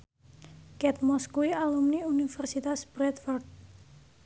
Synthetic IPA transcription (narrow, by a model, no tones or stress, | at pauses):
kɛt̪mɔskuialumniunifɛrsit̪asb̥ɾɛt̪fɔrt̪̚